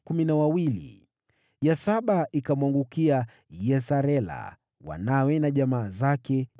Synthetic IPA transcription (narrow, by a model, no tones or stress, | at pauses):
kuminawawilḭ | jasaɓaʔikamwaŋɡukia | jɛsaɾɛla̰ | wa̰nawɛnaʄamaːzakɛ